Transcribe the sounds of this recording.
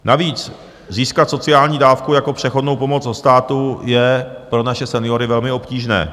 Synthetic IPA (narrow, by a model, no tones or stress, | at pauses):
naviːt͡s | ziːskat̪so̞t͡sɪaːlɲiːdaːfkujako̞pr̝̥ɛxo̞dnowpo̞mo̞d͡zdost̪aːt̪ujɛpɾo̞naʃɛsɛnɪjo̞ɾɪvɛlmɪo̞pciːʒnɛ̰ː